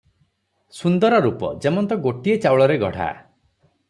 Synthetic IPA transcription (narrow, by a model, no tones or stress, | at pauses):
sund̪ɔɾɔɾupɔ̰d͡ʒemɔnt̪ɔɡoʈiet͡ʃawɭɔɾeɡʱɔ̰ɽ̤a̰